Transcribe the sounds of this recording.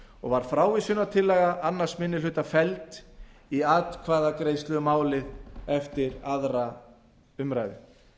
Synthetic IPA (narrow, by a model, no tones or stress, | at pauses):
ɔɣvaɾ̥fɾaːwvɪsʏnat̪ʰɪlːɛːɣaʔanːḁsmɪnːɪlʏːt̪afɛlt̪ | iaːt̪kʰvaːðakɾejst̪lʏɣʏmaːwlɪðɛft̪ɪɾaðɾa | ʏmɾajðɪ̰